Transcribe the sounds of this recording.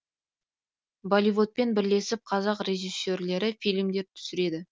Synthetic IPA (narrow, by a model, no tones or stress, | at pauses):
bolʲijvo̞t̪̚pe̞nbɪɾle̞sɪp̚qʰɑzɑqre̞ʒisːe̞ɾle̞ɾɪfijlʲmd̪e̞ɾt̪ʰʏ̥sɪɾe̞d̪ɪ